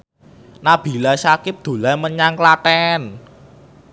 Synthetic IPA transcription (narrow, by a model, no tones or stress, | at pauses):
nab̥i̤lasakɪp̚d̪̥o̤laməɲaŋklatɛn